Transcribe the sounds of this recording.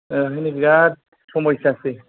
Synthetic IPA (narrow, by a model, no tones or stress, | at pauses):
ɾaɦinikɡat̚ | sɔmɔjsaːse